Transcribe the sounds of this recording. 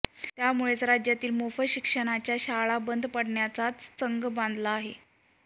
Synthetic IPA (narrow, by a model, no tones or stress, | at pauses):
t̪jamuɭet͡sɾad͡ʑjat̪iːlmofəɕikʂəɽ̃at͡ɕjaɕaɭabənd̪ʱpəɽɳjat͡sat͡st͡səŋɡbãnd̪laːɦe